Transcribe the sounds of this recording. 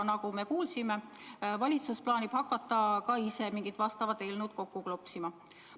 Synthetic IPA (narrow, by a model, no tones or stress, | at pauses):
nɑkume̞kuːlsime̞vɑlʲit̪susplɑːnʲib̥hɑkːˑɑt̪ːˑɑkɑise̞miŋɡ̥it̪vɑst̪ɑvɑt̪ːelnud̪̥̚ko̞kːuklopsimɑ